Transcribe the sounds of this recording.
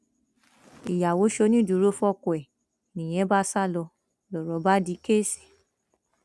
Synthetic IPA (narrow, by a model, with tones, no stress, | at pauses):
i˨ja˨wo˨˦ʃo˧˦nĩ˦˨du˨˦ɾo˦fɔ˦˨kɔ˨ɛ˨ | nĩ˨j̃ɛ̃˨˦ba˦sa˦˨lɔ˧ | lɔ˨ɾɔ˨˦ba˦di˧˦ke˦˨si̥˨